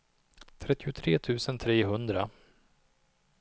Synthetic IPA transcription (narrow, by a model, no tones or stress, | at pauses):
t̪ʰɾɛt̪ːɪʊt̪ʰɾeːt̪ʰʉ̟ːsənt̪ʰɾeːɦɵnd̪ɾa